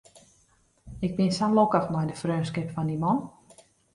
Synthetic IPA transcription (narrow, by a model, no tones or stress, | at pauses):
ɪk̚bɪnsanlokəxmɛjdəfrøːnskɪpfɔndimɔn